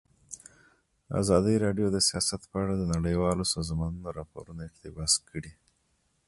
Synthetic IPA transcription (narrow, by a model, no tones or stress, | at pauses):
a̰zɑd̪əɾɑɖjod̪əsijɑsat̪pəaɽad̪ənaɽəjwɑlosɑzmɑnunoɾɑpo̰ɾunoɪqt̪ɪbɑskʰəɽi